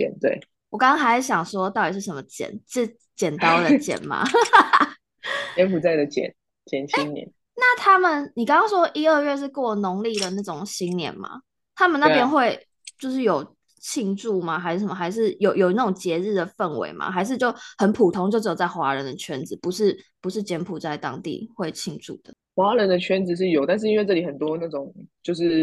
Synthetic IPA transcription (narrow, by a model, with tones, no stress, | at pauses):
ɛ̰˨˩nt̪wḛ˥˩ɪ | wɔ˨˩kɑ̃˥ŋɑ˥ŋxa˧ɪʂ̩˥ɕjɑ˨˩ŋʂwɔ˥t̪ɑ˥˩ʊt̪i˨˩ʂɻ̩˥˩ʂə˧˥mə˦t͡ɕjɛ̰˨˩˦nt͡s̩˥˧˩ | t͡ɕjɛ˨˩nt̪ɑ˥ʊd̪ə˨˩t͡ɕjɛ̰˨˩nma̰˩ | jɛ˧˦pu˨t͡sa˥ɪd̪ə˩t͡ɕjɛ̰˨˩˦n | t͡ɕjɛ˨˩nɕi˦ŋnjɛ̰˨˦n | na˥˩t̪ʰa˥mə˨nni˨˩kɑ̃˥ŋkɑ˥ŋʂwɔ˥ʔi˥ə˥˧ɥɛ˥˧ʂ̬ɻ̩˥˧kno˧˥ŋli˥˩d̪ə˩na˥˩ʈ͡ʂo˨˩ŋɕi˦nnjɛ̰˧˦nma̰˨ | t̪ʰa˦˥mə˨na˥˩pjɛ˥nxwe˥˧ɪ | t͡ɕjo˥˧ʊʂɻ̩˥˩jo˨˩ʊ | t͡ɕʰi˥˧ŋʈ͡ʂu˥˩ma˩xa˧˥ʂ̩˥˩ə˨˩mə˨˩a˧˥ɪʂ̬ɻ̩˥˩jo˨ʊjo˨˩ʊna˥˩o˨˩ŋt͡ɕjɛ˧˥ɻ̩˥˩d̪ə˩fə˥˩nwḛ˧˥ɪma̰˨xa˧˥ɪʂ̬ɻ̩˥˧t͡ɕjo˥˩ʊhə˨˦npʰu˨˩t̪ʰo˥ŋt͡ɕjo˥˧˥jo˨˩t͡sa˥˩xwa˧˥˦ɻə˧˦nd̪ə˨t͡ɕʰɥɛ̰˦nd͡zɹ̩˨pu˧˦ʂɻ̩˥˩pu˧ʂɻ̩˥˩t͡ɕjɛ˧˥npʰu˨˩t͡sa˥˩ɪt̪ɑ̰˥ŋt̪ḭ˥˧xwe˥˩ɪt͡ɕʰi˥˧ŋʈ͡ʂṵ˥˩d̪̥ə̰˩xwa˧˥ɻə˧˦nd̪ə˧t͡ɕʰɥɛ˦nd͡zɹ̩˨˧ʂ̬ɻ̩˥˩jo˨˩ʊt̪a˥˧nʂ̬ɻ̩˥i˥nwe˥˧ɪʈ͡ʂɤ˥˩li˩xə˨˩nt̪wɔ˦na˥˩ʈ͡ʂʊ˨˩˦ŋt͡ɕjo˥˧ʊʂɻ̩˥˩